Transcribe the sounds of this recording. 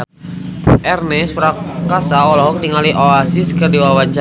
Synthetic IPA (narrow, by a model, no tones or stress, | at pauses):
ʔɛrnɛspɾakasaɔlɔɦɔŋt̪iŋaliʔoasiskərdiwawaɲt͡ʃa